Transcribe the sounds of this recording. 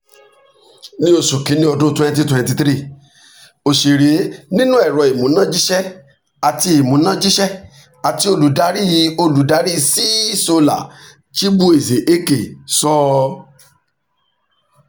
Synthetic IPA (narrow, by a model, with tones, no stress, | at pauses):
nĩ˦o˧su˨kĩ˨˦nĩ˦ɔ˧dũ˦twɛ̃˦n˦t̬i˦twɛ̃˧ti˧tɾi˦˨ | o˨ʃe˨ɾe˨˦nĩ˦nũ˦ɛ˦˨ɾɔ˨i˨mũ˨˦nã˦d͡ʒi˦ʃɛ˦ | a˨ti˧i˨mũ˨˦nã˦d͡ʒi˦ʃɛ˦ | a˨ti˨˧˦o˧lu˨da˨˦ɾi˦ji˧o˧lu˨˦da˨˦ɾi˦˧si˦so˧la̰˨ | ʃi˦bu˦e˨ze˨ʔe˦ke˨sɔ˦